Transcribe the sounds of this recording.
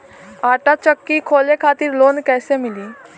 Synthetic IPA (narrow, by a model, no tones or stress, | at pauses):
aːʈat͡ʃəkːikʰoːlekʰat̪iːɾloːnkɛːsemiliː